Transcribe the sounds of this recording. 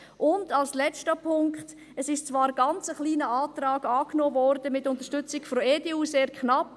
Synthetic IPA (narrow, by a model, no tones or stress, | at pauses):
ʔʊndɑlslɛt͡stəpʰʊŋkχt | əsɪʃt͡svɑːɾɡɑnt͡səχliːnəaːtraːɡɑːknoːvɔɾd̥əmɪtːʊntəʃtʏt͡sɪkfɔeːdeuːseːɾkʰχnɑp